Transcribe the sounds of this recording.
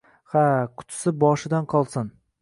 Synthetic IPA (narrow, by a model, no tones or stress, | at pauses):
hakʰʊ̥t̪ʰɪ̥sɪbɒʃɪd̪anqʰɒlˠsɪn